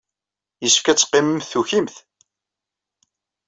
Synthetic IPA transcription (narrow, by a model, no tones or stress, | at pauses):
jəsfkæt͡sːqːɪməmθuçimθ